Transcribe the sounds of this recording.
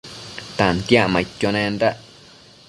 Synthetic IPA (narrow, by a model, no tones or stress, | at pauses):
t̪ãnt̪jaʔmãit̪ʲjonẽnɾaʔ